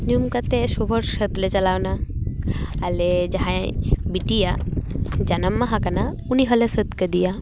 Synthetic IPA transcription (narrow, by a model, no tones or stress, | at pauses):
ɲumkɐt̪eʃobʱəɾʃɐt̪let͡ʃɐlawnaː | led͡ʒaɦãbiʈija | d͡ʒanɐmːaɦakɐna | uniɦɐlesət̪ked̪ija